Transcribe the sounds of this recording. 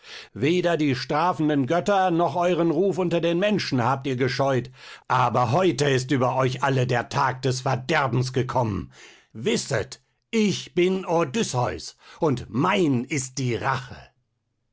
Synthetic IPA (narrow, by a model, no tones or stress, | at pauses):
veːdɐdiːʃtʁ̥aːfn̩dənɡœtɐnɔχʔɔʏʁənʁuːfʊntɐdeːnmɛnʃn̩haːp̚tiːɐɡəʃɔʏtʔaːbɐɦɔʏtəɪstʔyːbɐʔɔʏçʔalədeːɐtʰaːk̚d̥ɛsfɛɐdɛɐbm̩sɡ̥əkʰɔmən | vɪsə̰t | ʔɪçb̥ɪnodʏsɔʏsʔʊntmaɪnɪst̚d̥iːʁaχə